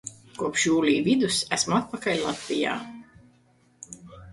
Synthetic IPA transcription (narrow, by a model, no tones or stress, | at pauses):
kuɔpʃjuːlʲiːvid̪usæsmuat̪̚pakalʲlˠat̪ʲvʲija̰ː